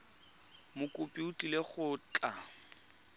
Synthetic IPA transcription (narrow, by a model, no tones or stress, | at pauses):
mʊkʼʊpʼiutʼileχʊt͡ɬʼa